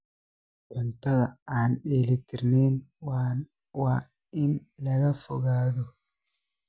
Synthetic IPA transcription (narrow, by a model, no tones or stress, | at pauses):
ʕʊnt̪ʰɐðɐaːnɗɛːlɪt̪ʰɪrnɛːn | waː | ɪnlɐɣɐfɔɣaːðɔ